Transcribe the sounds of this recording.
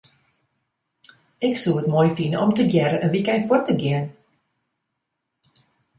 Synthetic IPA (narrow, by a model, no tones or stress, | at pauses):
ɪksulətmoːjfinəʔɔmtəɡjɛɾəʔənʋikɛjnfʊrtəɡiən